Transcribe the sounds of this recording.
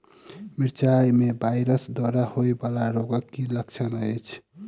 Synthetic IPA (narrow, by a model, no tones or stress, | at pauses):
miɾt͡ʃajmebʱajɾəsd̪wəɾahojbalaɾoɡəkːilək̚t͡ʃʰənəjt͡ʃʰ